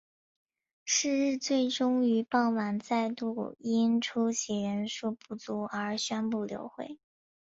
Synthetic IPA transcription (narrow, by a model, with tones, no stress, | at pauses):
ʂɻ̩˥˧ɻɻ̩˥˧t͡swe˥˩ɪʈ͡ʂʊ˥ŋy˧˥pɑ˥˩ʊma˨˩nt͡sa˥˧ɪt̪u˥˩i˥nʈ͡ʂʰu˥ɕʰi˨˩ɻə˧˥nʂu˥˧pu˥˩t͡su˧˥ə˞˧˥ɕɥɛ˥npu˥˩ljo̰˧˥ʊxwe˥˩ɪ